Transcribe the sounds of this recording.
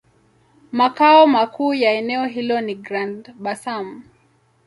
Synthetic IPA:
makaɔmakʰuːjaɛnɛɔɦilɔniɡɾandɓasam

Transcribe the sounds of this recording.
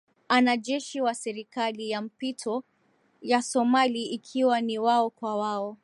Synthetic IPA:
anaʄɛʃiwasɛɾikalijam̩pitʰɔ | jasɔmaliːkʰiwaniwaɔkwawaɔ

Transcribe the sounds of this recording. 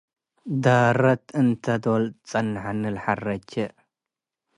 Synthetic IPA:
d̪aːɾɐt̪ɨnt̪ʰɐd̪olt͡sʼɐnʕanɨlħarɐt͡ʃːɛ

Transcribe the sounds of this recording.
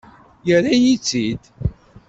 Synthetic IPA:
jəɾajit͡sːid̪

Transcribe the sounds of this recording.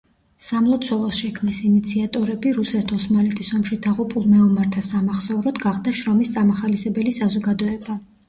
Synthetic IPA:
samlˠɔt̪sʰwɛlˠɔsʃɛkʰmnɛsinit̪sʰiat̪ʼɔɾɛbiɾusɛt̪ʰɔsmalɛt̪ʼisɔmʃid̪̥aʁupʼulˠmɛɔmaɾt̪ʰasamaχsɔvɾɔd̪ɡaʁd̪aʃɾɔmist̪sʼamaχalisɛbɛlisazɔɡad̪ɔɛba

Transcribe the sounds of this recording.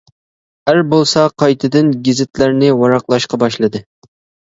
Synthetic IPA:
æɾbolˠsɑqʰɑjt̪ʰɨd̪ɪnɡʲɪzɪt̪ʰlæɾnɪwɑɾɑqlˠɑʃqɑbɑʃlˠɨd̪ɨ

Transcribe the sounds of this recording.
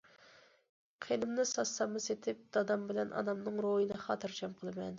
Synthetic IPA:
qʰelɪmnɪsɑsːɑmːɨset̪ʰɪp̚d̪̥ɑd̪ɑmbɪlɛnʔɑ̰d̪ɑmnɨŋɾojinɨχɑːt̪ʰɨɾt͡ʃʰɑmqʰəlˠɨmɛn

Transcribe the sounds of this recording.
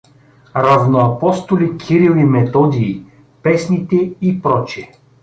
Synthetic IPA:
ɾavnoapɔst̪olʲikʲʰiɾilˠimɛt̪ɔd̪iː | pɛsnit̪ɛipɾɔt͡ʃiɛ

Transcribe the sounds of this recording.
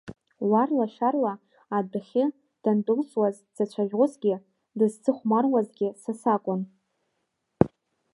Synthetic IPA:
warlaʃarlaː | daχʲɪ | d̥andʼɨlswaz | d͡zat͡ɕʷʰaʒʲʁʊzɡʲɪ | dɨzt͡sʰʼɨχʷmarwazɡʲɪsasakʷʼʊn

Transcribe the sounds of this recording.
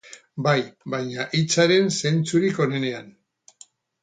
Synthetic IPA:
bajbajɲaʔit͡saɾe̞nse̞nt͡suɾiko̞ne̞ne̞an

